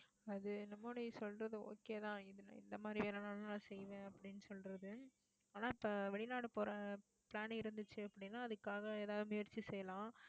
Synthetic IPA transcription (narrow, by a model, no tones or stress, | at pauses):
ɐðɯnɐmːoːɽisɔlɾɐðɯo̰ːkeːt̪ãːɪðɯnã̰ːɪ̰nd̪ɐmaːd̪ɾiʋeːɾɐnaːlnãːsɛjʋẽːɐpːɐɽɪnːɯsɔlɾɐðɯ | aːnaːɪpːɐʋɛɭɪnaːɽɯpoːɾɐ | pɭaːnɐɪɾɯnd̪ɯt͡ʃːɯɐpːɐɽɪnːaːɐðɯkːaːɣɐeːðaːʋðɯmʊjɐɾt͡ʃːisɛjɐlãː